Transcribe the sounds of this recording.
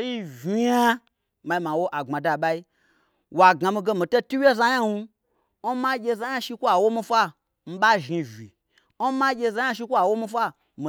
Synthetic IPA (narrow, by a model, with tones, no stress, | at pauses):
o˦ji˦vi˨ja˦ | ma˧i˧˦ma˨wo˦ʔa˨ŋ͡ma˨da˧˨ɓa˦i˦ | wa˨ɡa˨mi˧ɡe˧mĩ˨to˦tu˦wje˦za˧ja˦nu˧˦ | ma˦ɡʲe˧za˧˦ja˦ʃi˧kʷa˨wo˦mi˧fʷa˦ | m̩˦ɓa˦ʒi˧vʲḭ˨ | o˦ma˦ɡʲe˧za˧ja˦ʃ̬i˧kʷa˨wo˦mi˧fʷa˦ | mi˨